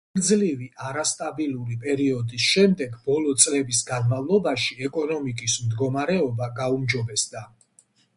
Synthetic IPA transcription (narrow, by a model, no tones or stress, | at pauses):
ɾd̪zliviʔaɾast̪ʼabilˠuɾipʼɛɾiɔd̪isʃɛmd̪ɛɡbɔlɔt̪sʼlɛbisɡanmavlˠɔbaʃiɛkʼɔnɔmikʼismd̪ɡɔmaɾɛɔbaɡaumd͡ʒɔbɛsd̪a